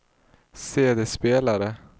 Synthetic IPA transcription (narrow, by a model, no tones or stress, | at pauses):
seːd̪eːspeːlaɾə